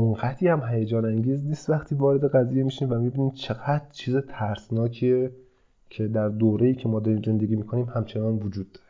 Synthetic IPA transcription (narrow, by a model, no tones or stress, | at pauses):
onɡæt̪ʰiːhæmhæjed͡ʒɒːnæŋɟiːzniːst̪væxt̪ʰiːvɒːɾed̪e̞ɣæziːjemiːʃiːmvæmibiːniːmt͡ʃʰe̞ɡæd̪ɾt͡ʃʰiːzet̪ʰæɾsnɒːcʰie | cʰe̞d̪æɾd̪oːɾejiːcʰe̞mɒːd̪ɒːɾiːmze̞nd̪e̞ɡiːmiːkʰo̞niːmhæmt͡ʃʰe̞nɒːnvod͡ʒuːd̪̥ːɒːɾe